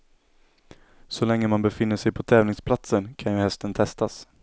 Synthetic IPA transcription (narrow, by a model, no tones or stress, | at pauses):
sɔlɛŋːəmanbɛfɪnːəʂɛjpʰɔt̪ʰɛːvnɪŋspʰlat̪sənkʰanjɵhɛst̪ənt̪ʰɛst̪as